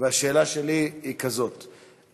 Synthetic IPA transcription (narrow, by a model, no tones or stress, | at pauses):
veaʃe̞ːlaʃeliikazo̞t